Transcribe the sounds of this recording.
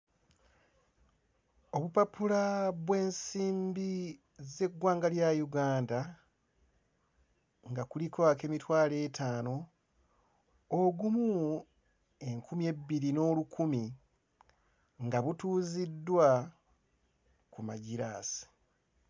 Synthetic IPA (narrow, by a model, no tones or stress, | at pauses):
o̞βupapulaβwe̞ːnsiːmbi | ze̞ɡːwaːŋɡaljajuɡaːnda | ŋɡakulikwake̞mitwaːle̞ːtʰaːno̞ | oɡumu | e̞ŋkumie̞biɾino̞ːlukʰumi | ŋɡaβutuːzidːwa | kuma̰ɟiɾa̰ːsi̥